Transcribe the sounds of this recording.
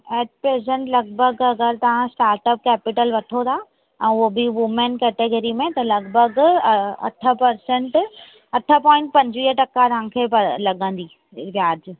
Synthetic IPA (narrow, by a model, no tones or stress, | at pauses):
ɛːʈ̚pɾeːzẽɳʈlɐɡ̚bʱəɐɡɐɡəɾt̪ɐʋ̤ãsʈaːɾʈəp̚kɛːpɪʈəlʋɐʈʰot̪a | ɛ̃ːʊɦobiʋʊmẽnkɛːʈeɡəɾimẽt̪ɐlɐɡbʱəɡɐ̰ʈʰə̆pɐɾsẽɳʈ | ɐʈʰəpɔ̃ːɪ̃ɳʈ̚pɐ̃ɲd͡ʑʋiːəʈɐkaɾɐãkʰepɐlɐɠə̃nd̪iː | ʋjaːd͡ʑ